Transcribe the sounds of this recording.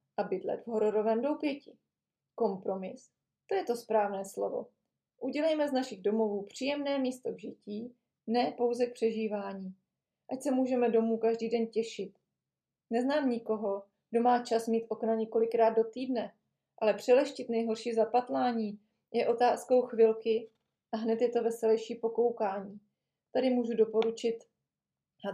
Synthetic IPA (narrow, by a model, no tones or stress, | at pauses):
ʔabɪd̪lɛ̰t̪vɦoɾoɾovɛːmdowpjɛcɪ | ko̞mpɾo̞mɪs | t̪o̞jɛt̪o̞spɾaːvnɛːslo̞̰vo̞̰ | ʔuɟɛlɛjmɛznaʃɪɣdo̞mo̞vuːpr̥iːjɛmnɛːmiːst̪o̞vʒɪciː | nɛːpo̞wzɛk̚pr̝̥ɛʒiːvaːɲiː | ʔacsɛmuːʒɛmɛdo̞muːkaʒdiːdɛncɛʃɪt̪ | nɛznaːmɲɪko̞ɦo̞ | ɡdo̞maːt͡ʃasmiːt̪ʔo̞knaɲɛko̞lɪkɾaːd̪̚do̞t̪iːdnɛ | ʔalɛpr̝̥ɛlɛʃcɪt̪nɛjɦo̞ɾʃiːzapat̪laːɲiː | jʔɛʔo̞t̪aːsko̞wxvɪlkɪ | ʔaɦnɛt̪jɛt̪o̞vɛsɛlɛjʃiːpo̞ko̞wkaːɲiː | t̪adɪmuːʒudo̞po̞ɾut͡ʃɪt̪